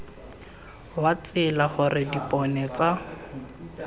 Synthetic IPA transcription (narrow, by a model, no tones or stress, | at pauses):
wat͡sɪlaχʊrɪdipʼɔnɛt͡sa